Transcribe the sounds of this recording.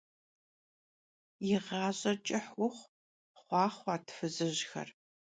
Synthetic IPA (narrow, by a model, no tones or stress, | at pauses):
jɪʁɑːɕʼɐt͡ʃʼɪħwʊχʷ | χʷɑːχʷɑːtʰfɨzɨʑxɐ̰r